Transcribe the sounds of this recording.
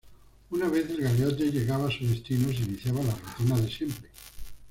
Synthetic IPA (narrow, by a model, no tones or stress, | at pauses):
unaβ̞e̞θelɣaljaeʎe̞ɣaβasuzðest̪inos̬iniθjaβalarut̪inaðe̞sje̞mpɾe